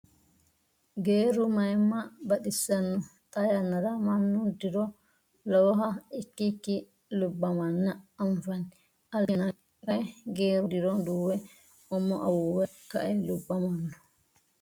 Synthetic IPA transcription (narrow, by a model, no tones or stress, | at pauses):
ɡeːɾumajmabaɗisanːɔtʼajanːaɾamanːudiɾɔ | lɔwɦaikːikːi | lubːamanːaaɱfani | ʔalkɛna | ajɡeːɾudiɾɔnduːwɛ | ʔɔmːɔʔawuwɛka̰ʔɛlubːamanːɔ